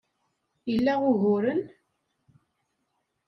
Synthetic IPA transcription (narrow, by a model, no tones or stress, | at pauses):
jəlːæʁʊʝʊɾən